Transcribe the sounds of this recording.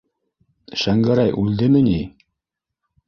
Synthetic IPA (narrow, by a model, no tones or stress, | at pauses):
ʃæŋɡæɾæjʔʉld̪ɘmɘ̆ni